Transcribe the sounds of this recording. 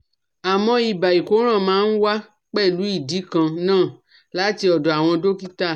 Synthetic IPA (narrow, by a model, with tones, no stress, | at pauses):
a˨mɔ̃˧i˨ba˨i˨ko˨˦ɾ̃ã˦˨mãː˨˦n̩˦wa˦ | k͡pɛ˦˨lu˨˦i˦˨di˨˦kã˧nãː˦˨ | la˨˦ti˧ɔ˨dɔ˨a˨w̃ɔ̃˧do˦ki˦ta˦˨